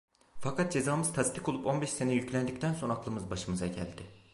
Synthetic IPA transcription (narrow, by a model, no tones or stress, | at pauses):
fakat̪̚d͡ʒe̞zaːmɯzt̪ʰast̪ʰi̥ko̞lˠupo̞nbɛʃse̞nɛjyclʲænd̪ict̪ʰænso̞naklˠɯmɯzbaʃɯmɯzaɟæ̰lʲd̪ɪ